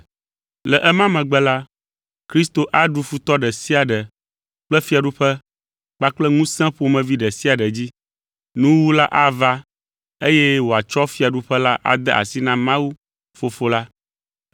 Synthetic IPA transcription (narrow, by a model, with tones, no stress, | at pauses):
lɛ˨ʔɛ˦mã˦mɛ̃˨ɡ͡bɛ˦la˦ | kɾi˦st̪o˨ʔa˦ɖu˨fu˦t̪ɔ˦ɖɛ˨si˦a˨ɖɛ˨ | k͡plɛ˦fi˦a˨ɖu˦ɸɛ˦ | k͡pa˦k͡plɛ˦ŋũ˦sɛ̃˦ɸo˨mɛ̃˨vi˦ɖɛ˨si˦a˨ɖɛ˨d͡ʑi˦ | nũ˦wu˦la˦ʔa˦va˦ | e˦jɛ˦wo˨a˨t͡ʃɔ˦fi˦a˨ɖu˦ɸɛ˦la˦ʔa̰˨d̪ɛ˦ʔa̰˨si˦nã˦mã˦wu˦ | fo˨fo˦la˦